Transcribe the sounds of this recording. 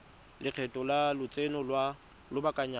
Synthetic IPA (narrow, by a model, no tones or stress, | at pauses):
lɪq͡χʰɛtʼɔlalʊt͡sʼenɔlwa | lʊbakʼaɲa